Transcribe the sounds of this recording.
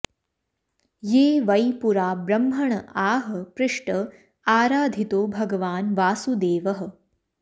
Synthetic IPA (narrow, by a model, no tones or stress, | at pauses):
jeːʋɐjpuɾaːbɾɐmɦɐɳɐaːɦəpɾɪʂʈə | aːɾaːd̪ʱit̪oːbʱɐɡʋaːnʋaːsud̪eːʋɐɦə̆